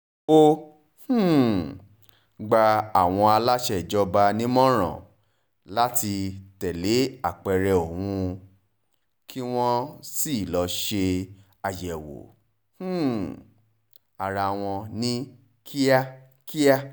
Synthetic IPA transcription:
o˧ | h̩˦˨ | ɡ͡ba˧a˨w̃ɔ̃˧a˧la˦ʃɛ˦˨d͡ʒɔ˧ba˧nĩ˦mɔ̃˦ɾ̃ɔ̰̃˨ | la˦ti˧tɛ˨le˨˦a˦˨k͡pɛ˧ɾɛ˧o˨wũ˧ | kʰi˦w̃ɔ̃˦si˦˨lɔ˧ʃe˧ | a˧jɛ˨wo̰˨ | h̩˦˨ | a˨ɾa˧w̃ɔ̃˧nĩ˦ | kʰi˦a˦ | ki˦a˦

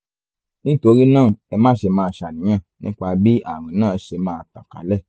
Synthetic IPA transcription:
nĩ˦to˧ɾi˦nãː˦˨ɛ˧mãː˦ʃe˧mãː˦˧˨ʃa˨nĩ˨˦ã˦˨nĩ˦k͡pa˧bi˦ʔa˦˨ɾã˨˦nãː˦˨˦ʃe˧mãː˦˧˨ta˨ka̰˨lɛ˦˨

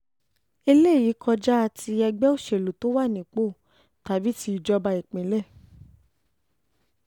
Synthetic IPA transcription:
e˧le˦˨ji˨˦kʰɔ˧d͡ʒa˦a˧ti˧ɛ˧ɡ͡bɛ˦o˦˨ʃe˨lo˨to˨˦wa˦˨nĩ˨k͡po˦˨ | ta˨bi˨˦ti˧i˨d͡ʒɔ˧ba˧i˨k͡pẽ˨˦lɛ˦˨

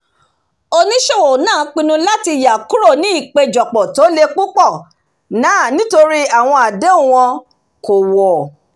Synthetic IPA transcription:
o˧nĩ˦ʃe˦˨wo˨nãː˦˨k͡pĩ˧nũ˧la˦ti˧˨ja˨ku˦ɾo˦˨nĩ˨˦i˦˨k͡pe˧d͡ʒɔ˨k͡pɔ˨to˨˦le˧k͡pu˦k͡pɔ˦˨ | nãː˦˨nĩ˦to˧ɾi˦a˦˨w̃ɔ̃˧a˨de˦u˦˨w̃ɔ̃˧ | ko˨wɔ˨

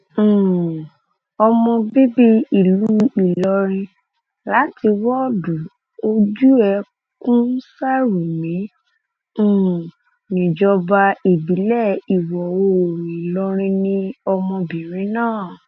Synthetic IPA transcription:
ɔ˧mɔ̃˧bi˦bi˦i˨lu˨˦i˨lɔ˧ɾ̃ĩ˧ | la˨˦ti˧wɔ˦du˨ | o˦d͡ʒu˦ɛ˧˦ | kũ˦sa˦ɾu˨mĩ˨˦˨ | nĩ˨d͡ʒɔ˧ba˧i˨bi˨˦lɛ˦˨i˨wɔ˨o˧˨ɾĩ˨i˨lɔ˧ɾ̃ĩ˧nĩ˧ɔ˧mɔ̃˧bĩ˨ɾ̃ĩ˨˦nãː˦˨

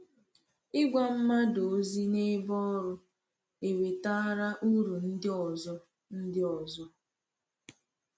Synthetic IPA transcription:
ɪ˦ɡʷa˦m̩˦ma˦do˨˦zi˦ne˦bɔ˦ɔ˦ɾʊ˦ | e˨we˨ta˦ɾa˦ʔu˦ɾu˨n̩˦dɪ˦ɔ˨zɔ˦ | n̩˦dɪ˦ɔ˨zɔ˦

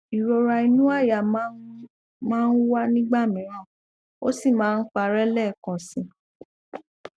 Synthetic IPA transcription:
i˨ɾo˧ɾa˧i˧nũ˦a˦˨ja˨m˦ | mãː˦˧n̩˦wa˦nĩ˦ɡ͡ba˦˨mĩ˨˦ɾ̃ã˦˨ | o̰˦si˦˨mãː˨˦˧n̩˦k͡pa˧˨ɾɛ˦lɛ˦˨kã˨sĩ˧˦

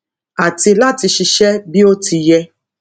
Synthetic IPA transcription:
a˨ti˧la˦ti˧ʃi˧ʃɛ˦bi˦o˦ti˧jɛ˦

